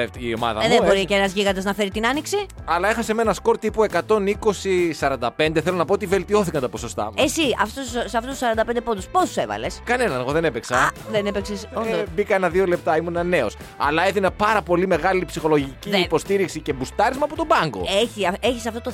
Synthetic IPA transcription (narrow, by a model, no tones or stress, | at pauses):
eio̞mɐ̰ðɐ̰mðebo̞ɾiceenɐzʝiɣɐd̪ɐznɐfeɾit̪inɐniksiɐlɐexɐsemenɐsko̞ɾt̪ipue̞kɐt̪o̞niko̞sisɐɾɐnd̪ɐpe̞nd̪eθelonɐpoot̪ive̞lt̪io̞θikɐnt̪ɐposo̞st̪ɐ̰mesiɐftsɐft̪ust̪usɐɾɐnd̪ɐpnd̪epod̪uspo̞st̪use̞vɐ̰leskɐne̞nɐneɣo̞ðe̞nepeksɐðenepeksesond̪bikɐenɐðiolep̚t̪ɐimunenɐne̞os | ɐ̰lɐeðinɐpɐɾɐpo̞lime̞ɣɐlipsixo̞lo̞ʝiciːpo̞st̪iɾiksice̞bust̪ɐɾizmɐːpot̪o̞bɐŋɡo̞̰eçieçisɐft̪o̞t̪o